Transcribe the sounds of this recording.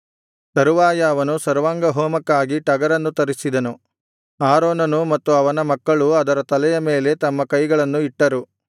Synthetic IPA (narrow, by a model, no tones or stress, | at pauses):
t̪ɐɾuʋaːjɐːʋɐnusɐɾʋaːŋɡɐɦɔːmɐkːaːɡiʈɐɡɐɾɐnːut̪ɐɾisid̪ɐnu | aːɾoːnɐnumɐt̪ːuɐʋɐnɐmɐkːɐɭuɐd̪ɐɾɐt̪ɐlɛjɐme̞ːle̞t̪ɐmːɐkɐjɡɐɭɐnːuiʈːɐɾu